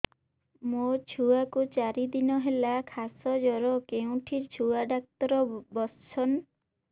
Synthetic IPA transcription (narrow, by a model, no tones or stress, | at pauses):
mot͡ʃʰuakut͡ʃaɾid̪inɔɦelakʰasɔd͡ʒɔɾɔkeũʈʰiɾt͡ʃʰuaɖak̚t̪ɔɾɔbɔt͡ʃʰɔn